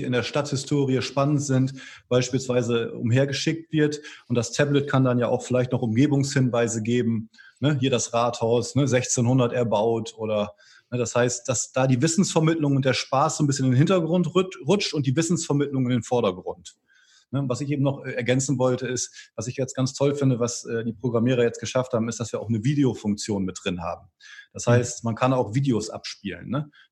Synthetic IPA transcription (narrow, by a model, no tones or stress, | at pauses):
iɪndeːɐʃtathɪstʰoːʁiəʃpanəntz̥ɪntb̥aɪʃpiːlsv̥aɪzəʊ̰mɦeːɐɡəʃɪk̚tv̥ɪɐtʔʊntd̥astʰɛblətkʰandanjaːʔaʊxfɪlaɪçtnɔχʊmɡeːbʊŋshɪnvaɪzəɡeːbm̩nəhiːɐɾasʁaːthaʊsnəzɛçt͡seːnhʊndɐtɛɐbaʊtʰʔoːɾɐ | nəd̥ashaɪst̚d̥asd̥aːdiːvɪsn̩sfɛɐmɪtlʊŋʊntd̥eːɐʃpaːsz̥oːnbɪsçənenhɪntɐɡʁʊntʁʊt͡ʃtʊnt̚d̥iːvɪsn̩sfɛɐmɪtlʊŋɪndeːnfɔɐɾɐɡʁʊnt | nəvasɪçʔeːbm̩nɔχʔɛːɛɐɡɛnt͡sn̩vɔltəɪstv̥asɪçjajɛt͡stɡ̥ant͡stʰɔlfɪndəvasʔɛːdiːpʁ̥oɡʁamiːʁ̞ɐjɛt͡stɡ̥əʃafthaːbm̩ɪstd̥asv̥iːɐa̰ʊxnəviːdeofʊŋk̚t͡sjoːnmɪt̚d̥ʁɪnha̰ːbm̩d̥ashaɪstmankʰanaʊxv̥iːdeosʔa̰pʃpiːlə̰nːə